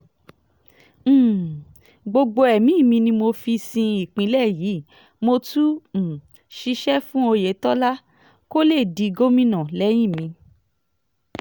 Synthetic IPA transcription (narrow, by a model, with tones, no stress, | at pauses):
ɡ͡bo˧ɡ͡bo˧ɛ˨mĩ˨˦˨mĩ˧nĩ˧mo˧fi˧sĩ˧i˨k͡pĩ˨˦lɛ˦˨ji˨˦ | mo˧tu˦m̩˨ | ʃi˧ʃɛ˦fũ˦o˧je˨˦tɔ˦la˦ | ko˦le˦˨di˨˧ɡo˦mĩ˦nã˦˨lɛ˦j̃ĩ˦˨mĩ˧